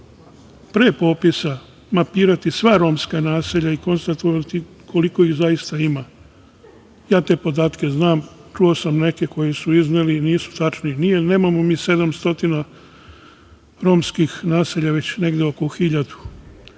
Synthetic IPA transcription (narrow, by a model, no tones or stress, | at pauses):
pɾeːpo̞ːpisa | mapiːɾat̪isʋaɾo̞ːmskanaːseʎaiko̞nst̪at̪oʋat̪i | kʰo̞liko̞iɣzajist̪aima | jaːt̪e̞ːpo̞d̪aːt̪ke̞znaːmt͡ʃuo̞samne̞ke̞ko̞jisuizneliniːsu̥t̪at͡ʃninijene̞ːmamo̞miːse̞d̪amst̪o̞t̪ina | ɾo̞ːmskixnaːseʎaʋe̞t͡ɕne̞ɡd̪eo̞koxiʎad̪u̥